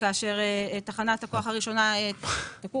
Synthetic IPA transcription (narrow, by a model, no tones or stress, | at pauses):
kaaʃe̞ʁeetaχanathako̞aχaʁiʃo̞naetaku